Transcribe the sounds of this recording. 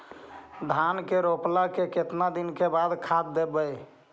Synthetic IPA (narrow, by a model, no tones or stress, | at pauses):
d̪ʱankeɾoplakeket̪nad̪inkebad̪kʰat̪̚d̪ebəj